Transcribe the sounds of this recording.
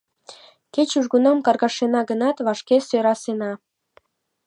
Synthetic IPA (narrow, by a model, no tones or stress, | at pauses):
ket͡ɕuʒɣunɑmkɑrɣɑʃenɑɡənɑt̪βɑʃkesøɾɑsenɑ